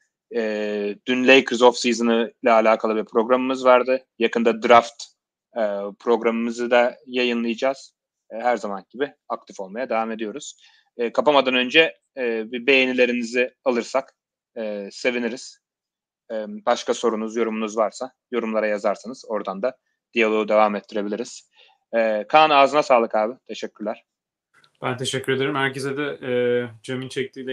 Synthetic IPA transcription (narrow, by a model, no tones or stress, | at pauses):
ɛːd̪̥ynlʲejkʰɾizo̞fsizɯnɯlʲɛːlʲaːkʰalˠɯbiɾpʰɾo̞ɡɾamɯmɯzvaɾd̪ɯjakʰɯnd̪ad̪ɾaft̪ | ɯpʰɾo̞ɡɾamɯmɯzɯd̪ajajɯnlˠɯjɯd͡ʒaːz̥ | ɦæɾzamanɟibi | ak̚t̪ʰifo̞lˠmajad̪e̞vame̞d̪ijo̞ɾuz̥ː | kʰapamad̪anø̞nd͡ʒɛː | bibe̞jenilʲe̞ɾinizɪalˠɯɾsakː | se̞viniɾiz̥ | ɛːbaʃkaso̞ɾunuzjo̞ɾumunuzvaɾsa | jo̞ɾumlˠaɾajazaɾsanɯz̥o̞ɾd̪and̪a | d̪̥ijalˠo̞ud̪e̞vaːmɛt̪ʰːiɾe̞bilʲiɾiz̥ː | kʰaːnɯaːzɯnasaːlˠɯkaːbɪt̪ʰe̞ʃɛcʰːyɾlʲæɾ̥ | b̥ænt̪ʰeʃɛcʰːyɾed̪eɾimhæɾcezɛd̪ɛː | d͡ʒemint͡ʃʰɛc̚t̪ʰiːlʲɛ